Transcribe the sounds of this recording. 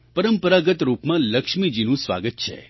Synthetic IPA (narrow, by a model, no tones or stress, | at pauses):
pəɾəmpəɾaɡət̪ɾupmãləkʂmid͡ʒinũsʋa̰ɡət̪̚t͡ʃʰḛ